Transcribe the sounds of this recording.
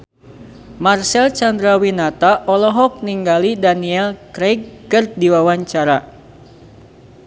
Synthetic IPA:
marsɛlt͡ʃand̪ɾawinat̪aʔɔlɔɦɔk̚niŋɡalidaniɛlkɾɛɡ̚ːɨrdiwawaɲt͡ʃaɾa

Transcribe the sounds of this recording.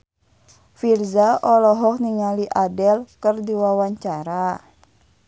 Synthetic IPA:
firzaʔɔlɔɦɔk̚niŋaliʔadɛlkərdiwawaɲt͡ʃaɾa

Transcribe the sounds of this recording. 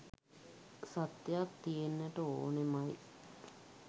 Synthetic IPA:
sat̪jatt̪ːijenːəʈəoːnemaj

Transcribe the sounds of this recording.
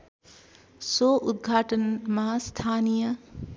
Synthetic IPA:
soʔud̪̚ɡʱaːʈənmaɦast̪ʰaːnijɐ

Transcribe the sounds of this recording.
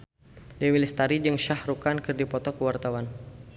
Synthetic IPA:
dɛwilɪst̪aɾid͡ʒɨŋʃahrukankɨrdipɔt̪ɔkəwart̪awan

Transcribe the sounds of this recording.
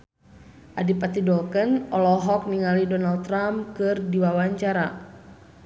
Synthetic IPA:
ʔadipat̪idɔlkənɔlɔɦɔk̚niŋalidɔnalt̪ːɾamkɨrdiwawaɲt͡ʃaɾa

